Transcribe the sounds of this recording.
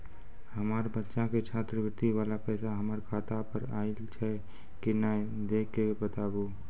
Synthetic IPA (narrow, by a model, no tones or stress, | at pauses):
həmaɾbətːʃãket͡ʃʰat̪ɾəɡɾt̪iʋaːlapɛɪsaɦəməɾkʰat̪apəɾaːilt͡ʃʰɛ | kina | d̪ekːebət̪aːbo